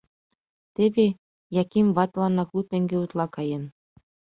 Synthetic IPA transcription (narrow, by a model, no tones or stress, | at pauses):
t̪eβʲe | jɑkimvɑt̪lɑnɑklut̪ĕŋɡʲeut̪lˠɑkɑjĕn